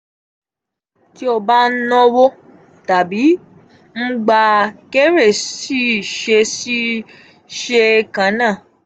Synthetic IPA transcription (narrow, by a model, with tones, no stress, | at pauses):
ti˨˦o˧ba˦n̩˦nɔ̃˦wo˦ | ta˨bi˨˦ | m̩˦ɡ͡ba˧ke˦ɾe˦˨si˦˨ʃe˧si˦ | ʃe˧kã˨˦nãː˦˨